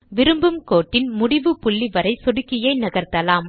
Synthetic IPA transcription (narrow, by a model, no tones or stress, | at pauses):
ʋɪɾɯmbɯmkoːʈːɪnmʊɽɪʋɯpʊɭːiʋɐɾɐɪsɔɽɯkːɪjɐɪnɐɣɐɾt̪ɐlaːm